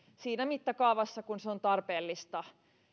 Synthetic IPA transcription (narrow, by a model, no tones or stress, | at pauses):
siːnæmit̪ːækɑːʋɑsːɑkunseont̪ɑrpeːlːist̪ɑ